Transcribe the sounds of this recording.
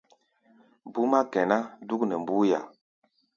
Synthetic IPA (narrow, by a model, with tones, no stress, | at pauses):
bu˦ma˦kɛ˨na˦du˦knɛ˨mbu˦ja̰˨